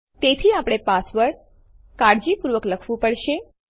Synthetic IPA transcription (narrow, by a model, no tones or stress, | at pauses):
t̪et̪ʰiapɽ̃epasʋəɭ | kaɽd͡ʒipuɾʋəkləkʰʋũpəɽʃe